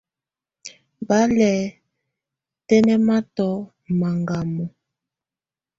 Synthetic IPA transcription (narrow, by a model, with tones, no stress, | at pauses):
ba˦lɛ˨ | tɛ˦nɛ˦ma˦tɔ˨˦ | ma˨ŋɡa˨mɔ˨